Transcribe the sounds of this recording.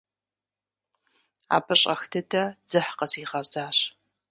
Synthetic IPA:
a̰ːbɐɕʼɐxtʰɨtʰɐd͡z̥ɨħqɐsiːʁɐzaːɕ

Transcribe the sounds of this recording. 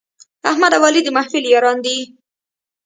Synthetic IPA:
ahmad̪awɑlid̪əmahfiljɑɾɑnd̪i

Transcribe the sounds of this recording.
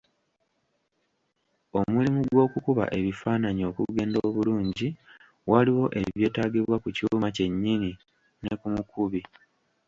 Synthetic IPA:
o̞mulimuɡwo̞ːkukuβa̰ʔe̞βifaːnaɲio̞kuɡe̞ːndoːβuluːɲɟi | waliwo̞ʔe̞̰βje̞ːtaːɡiβwakucumace̞ɲːini | ne̞kumukʰuβi

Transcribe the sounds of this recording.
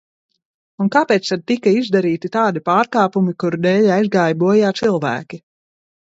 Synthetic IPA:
unkaːpɛːt̪st̪ad̪̚t̪ikɐizd̪aɾiːt̪it̪aːd̪ipaːɾkaːpumikuɾd̪ɛːʎʲajzɡaːjbuɔjaːt̪silˠvæ̰ːkʲi

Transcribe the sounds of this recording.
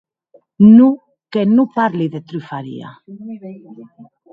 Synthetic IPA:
nu | kenupaɾliðet̪ɾyfaɾḭa̰

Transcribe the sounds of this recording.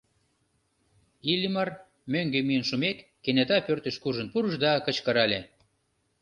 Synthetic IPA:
ilʲimɑr | møŋɡømijənʃumekːenet̪ɑpørt̪əʃkuʒə̆npuɾəʃd̪ɑkə̆t͡ɕkəɾɑlʲe

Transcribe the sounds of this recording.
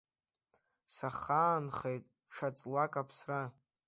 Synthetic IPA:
saχaːnχejtʼ | ʂʰat͡sʼlakʼapʰsra

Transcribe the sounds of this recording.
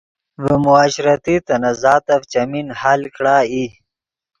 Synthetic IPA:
vəmʊaːɕɾat̪it̪ɐnazaːt̪aft͡ɕaminhalkɽaːi

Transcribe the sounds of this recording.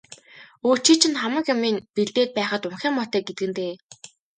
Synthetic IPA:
oːt͡ɕiːt͡ɕʰɪ̆nχamə̆kjamiːnpeɮt̪eːt̪̚pæːχə̆t̪ʊŋxʲæːmɔt̪æːɡet̪̚ɡɘ̆nt̪eː

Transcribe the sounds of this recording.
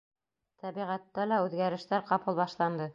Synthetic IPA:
t̪ʰæbiʁæt̪ːælæʉðɡæɾɘ̆ʃt̪æɾqɑpɤlˠbɑʃlˠɑnd̪ɤ

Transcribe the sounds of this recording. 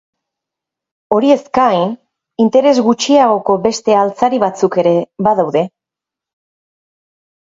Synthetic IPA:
o̞ɾie̞skajn | int̪e̞ɾe̞zɣut͡ʃiaɣ̞o̞ko̞be̞st̪e̞alt͡saɾiβat͡suke̞ɾe̞βaðawðe̞

